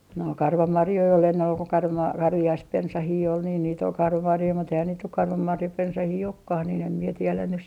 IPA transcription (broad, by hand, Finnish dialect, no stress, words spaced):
no kɑrʋɑmɑrjoi ol enːen ol ko kɑrʋɑ kɑrʋiɑispensɑhiː ol niːn niːt ol kɑrʋɑmɑrjoi mut eihæn niːt nyk kɑrʋɑmɑrjɑpensɑhiː okːɑh niːn em mie tielæn nys